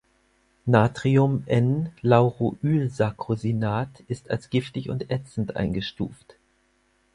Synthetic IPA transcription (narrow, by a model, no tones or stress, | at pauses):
naːtʁ̥iʊmʔɛnlaʊʁoʔyːlzakʁ̥ozinaːtɪsta̰lsɡ̥ɪftɪçʊ̰ntʔɛt͡sn̩tʔa̰ɪnɡəʃtṵːft